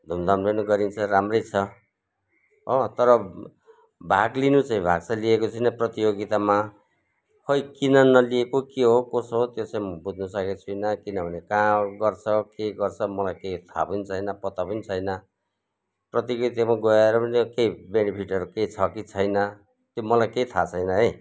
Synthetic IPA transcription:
d̪ʱumd̪ʱʌmbenuɡʌɾint͡sʰʌramrʌjt͡sʰʌ | ɦʌt̪ʌɾʌ | bʱaɡlinut͡saĩbʱa̰ɡt͡sʰʌliekot͡sʰʌjnʌprʌt̪ijoɡit̪ama | hʌjkinʌnːʌliekokeɦokosot̪jot͡saĩmʌbud͡znusʌket͡sʰujnʌkinʌbʱʌnekãɡʌrt͡sʰʌkeɡʌrt͡sʰʌmʌlajkejt̪ʰa̰pʌnit͡sʰʌjnʌpʌt̪apʌnit͡sʰʌjnʌ | prʌt̪ijoɡɡit̪amaɡʌeɾʌpʌnikejbenipʰiʈʌɾukejt͡sʰʌkit͡sʰʌjnʌ | t̪jomʌlajkejt̪ʰat͡sʰʌjnʌɦʌj

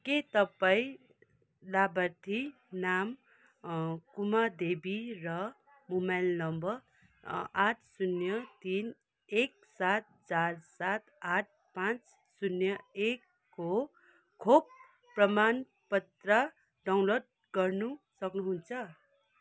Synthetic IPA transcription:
ket̪ʌpaĩ | labʌrt̪ʰi | nam | kumad̪ebirʌ | mumajlnʌmbʌr | aʈʰsunjʌt̪in | ek̚ | sat̪̚t͡sarsat̪aʈ̚ | pãt͡s | sunjʌekː | o | kʰob̚ | prʌman | pʌt̪rʌ | ɖaw̃nlod̚ | ɡʌrnusʌknuɦunt͡sʰʌ

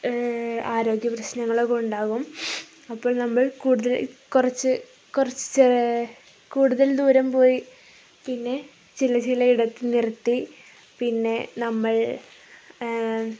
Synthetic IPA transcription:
aːɾo̞ːɡjɐprɐɕnɐŋːɐɭokɳɖaːɣum | ɐpːo̞ːɭnɐmːɐɭkuːɽuðɐlkurɐt͡ɕːɨ | kurɐt͡ɕːɨ̥t͡ɕ | kuːɽuðɐld̪uːɾɐmpo̞ːji | pinːe̞ | t͡ɕilɐt͡ɕilɐiɽɐt̪ːinirɐt̪ːi | pinːe̞nɐmːɐɭ

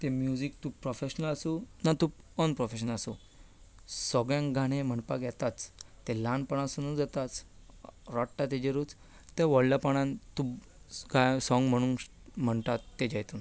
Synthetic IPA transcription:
t̪emjud͡zik̚t̪upɾɔfeɕnəlasunat̪upɔnpɾɔfeɕənəlasṵ | sɔɡɭjãŋɡʱaɽ̃ẽm̤əɳpaɡʱjɛt̪at͡s̪ː | elãnpəɽ̃ãsunũnd͡zat̪at͡s | ɾɔʈʈat̪̬ed͡ʑeɾut͡s | t̪eʋɔɽlapaɽ̃ãnt̪ub | ɡajsɔ̃ŋɡm̤əɽ̃uːn | m̤əɳt̪at̪ːed͡ʑajt̪uːn

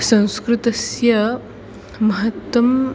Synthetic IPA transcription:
sɐ̃w̃skɾɪt̪ɐsjɐ | mɐɦɐt̪wɐm

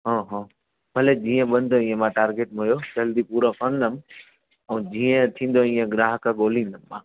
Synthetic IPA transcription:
ɦɔ̃ːɦɔ̃ː | bʱɐled͡ʑiːə̃ɓɐ̃nd̪ʱoĩːə̃mãːʈaːɾɡeːʈ̚mɦujod͡ʑɐld̪ipuːɾokəɾnd̪əm | ɛ̃ːd͡ʑiːə̃t̪ʰĩːn̆d̪oĩːə̃ɡɾaːɦkaɠoːlĩːnd̪əmːãː

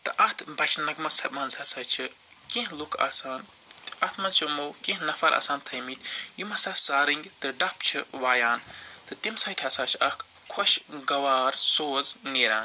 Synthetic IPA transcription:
t̪ɨʔɐt̪ʰbɐt͡ʃʰnɐɡmɐsɐmɐnzɐsɐːt͡ʃʰi | kẽɦlukʰa̰ːsaːn | t̪ɐt̪ʰmɐnt͡ʃʰumowkẽɦnɐfɐɾʔa̰ːsaːnt̪ʰɐjmit̪jimɐsɐsaːɾiŋɡt̪ɨɖɐpt͡ʃʰɨʋaːjaːnt̪ɨt̪imsɐt̪ʲʰɐsaːt͡ʃʰɐkʰ | kʰoʃɡɐʋaːɾsoːzneːɾaːn

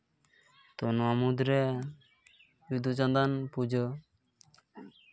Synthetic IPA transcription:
t̪ɔnɔamud̪ɾe | bid̪ut͡ʃand̪anpud͡ʒɔ

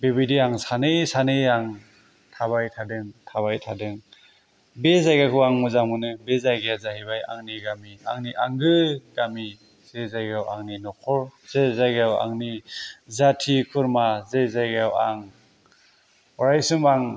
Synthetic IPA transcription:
beβidiaŋsanɯjsanɯjaŋ | tʰaβajtʰadɯŋtʰaβajtʰadɯŋ | bezajɡakʰɯaŋmuzamɯnɯbezajɡjazaɦhibaja̰ŋniɡamia̰ŋniʔaŋɡɯɡami | z̥ezajɡawʔa̰ŋninɔkʰɔɹz̥ezajɡawa̰ŋnizatʰikʰuɾmazezajɡawaŋ | ɔɾajsɯmbaŋ

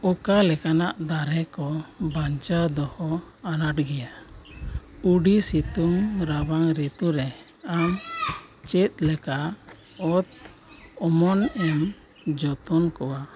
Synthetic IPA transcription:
ɔkalɛkanaʔd̪aɾɛkɔbaɲt͡ʃad̪ɔhɔ | anaʈɡɛja | uɖisit̪umɾabaŋɾet̪uɾɛ | am | t͡ʃɛt̪̚ˀlɛka | ɔt̪ | ɔmɔnɛm | d͡ʒɔt̪ɔnkɔwa

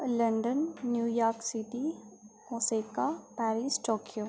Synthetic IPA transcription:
lɐ̃ɳɖənːjuːjaːɾksiʈimosekapɛːɾisʈoːkijoː

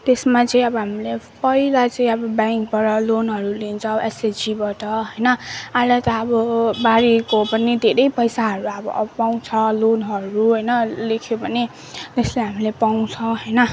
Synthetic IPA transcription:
t̪esmat͡sʌĩʌbʌɦamilepʌɦilat͡sʌĩʌbʌbaŋkbaʈʌlonɦʌɾulint͡sʰʌːbʌesed͡zibaʈʌɦʌjnʌalat̪aːbʌbaɾikopʌnid̪ʱeɾʌjpʌjsaɦʌɾuʌbʌ̰ʔbʌpaw̃t͡sʰʌlonɦʌɾuɦʌjnʌlekʰjobʱʌne | t̪esleɦamilepaw̃t͡sʰʌɦʌjnʌ

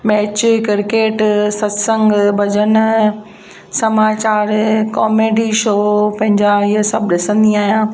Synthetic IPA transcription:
mɛːt͡ɕkɪɾkeːʈsɐsə̃ŋɡbɐd͡ʑən̆ | sɐmaːt͡ɕaːɾkɔːmeːɖiʃoːpɐ̃ɦɪ̃ɲd͡ʑaiəsɐbʱɗɪsə̃nd̪iaːɦijãː

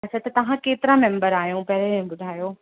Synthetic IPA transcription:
ɐsɐt̪ɐt̪ɐʋ̤ãkeːt̪ɪɾãmẽmbəɾaːɦjũpɐɦɾẽɓʊd̪ʱaːjoː

